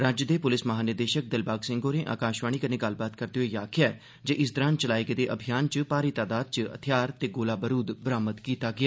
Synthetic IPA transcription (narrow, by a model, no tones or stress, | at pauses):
ɾãːd͡ʒəd̪eːpʊlɪsməɦaːnɪɾd̪eːʃək̚d̪ɪlbaːɡsɪ̃ŋɡoːneːʔa̰ːkaːʃʋaːɽ̃iːkəneːɡəlbaːt̪kəɾd̪eːɦoiːjaːkʰɪjaɛː | d͡ʒeːʔɪs̬d̪əɾãːnt͡ʃəlaːikːd̪eːʔəbʱijaːnt͡ʃəpaːɾiːt̪aːd̪aːd̪̚t͡ʃəə̰t̪ʰɪjaːɾt̪eːɡoːlaːbəɾuːd̪bəɾaːmət̪kiːt̪aːɡɪaː